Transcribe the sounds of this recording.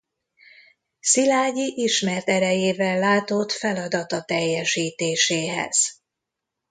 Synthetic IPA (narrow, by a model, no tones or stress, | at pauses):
silaːɟiʔiʃmɛrt̪ɛɾɛjeːvɛlːaːt̪o̞t̪fɛlɒd̪ɒt̪ɒt̪ɛjːɛʃiːt̪eːʃeːɦɛ̰z̥